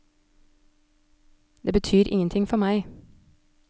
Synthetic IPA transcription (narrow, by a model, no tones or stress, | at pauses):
d̪̥eːbət̪ʰyːɾʔɪ̰ŋənt̪ʰɪŋfɔmæɪ